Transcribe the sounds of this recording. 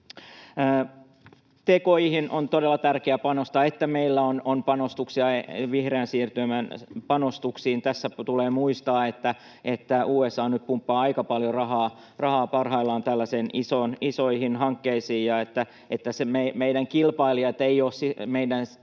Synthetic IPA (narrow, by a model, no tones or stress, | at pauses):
t̪ekojhinont̪odelːɑt̪ærkeæpɑnost̪ɑet̪ːæmeilːæononpɑnost̪uksiɑeʋihreːnsiːrt̪ymænpɑnost̪uksiːnt̪æsːæt̪uleːmuist̪ɑːet̪ːæ | et̪ːæuːesːɑːnnyp̪pumpːɑːɑikɑpɑljorɑɦɑː | rɑhɑːpɑrɦɑilːɑːnt̪ælːæsenʔisoːnisoihinɦɑŋkːeisiːjjɑet̪ːæ | et̪ːæsememeidæŋkilpɑiliɑt̪eioːssimeidæn